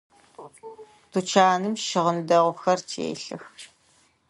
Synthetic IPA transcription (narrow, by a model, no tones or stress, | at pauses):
d̥ut͡ʃʰaːnɨmʃɪʁəndɐʁʷʊxɐrtʰḛːɬɨx